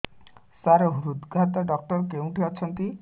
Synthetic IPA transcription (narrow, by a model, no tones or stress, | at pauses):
saɾɔɦuɾud̪ɡʱat̪ɔɖɔk̚ʈɔɾkew̃ʈʰiɔt͡ʃʰɔnt̪i